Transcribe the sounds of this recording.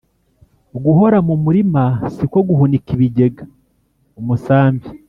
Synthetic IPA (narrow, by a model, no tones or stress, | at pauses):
oɡuɦo̞ɾamumuɾimasiko̞ɡuhunikiβiɟe̞ɡa | omusaːmvi